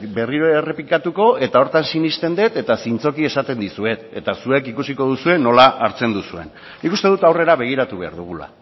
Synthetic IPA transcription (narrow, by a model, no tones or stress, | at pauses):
be̞riɾoere̞pikat̪uko̞e̞t̪ao̞ɾt̪ansinist̪e̞nd̪e̞t̪e̞t̪asint͡so̞kie̞sat̪e̞nd̪isue̞t̪e̞t̪asue̞kikusiko̞ð̞usue̞no̞laʔːɾt͡se̞nd̪usue̞̰nː | ikust̪e̞ð̞ut̪awre̞ɾaβe̞ɣ̞iɾat̪uβe̞a̰ɾðuɣ̞ula̰